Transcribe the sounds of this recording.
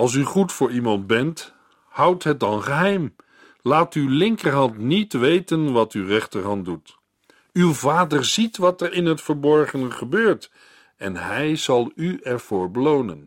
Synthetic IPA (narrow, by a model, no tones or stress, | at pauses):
ɑlˠs̬yχutfʊːɹimɑntbɛnt | hʌwtɦət̚dɑnχəɦɛjm | laːtylɪŋkəɹɦɑntnitʋejtənʋɑtywrɛχtəɹɦɑntdut | ywvaːdəɹzitʋɑtɛɹɪnɦətfəɹbɔɹχənəχəbøːɹt | ɛnɦɛjzɑlˠyɛɹv̥ʊːɹbəlownə̰n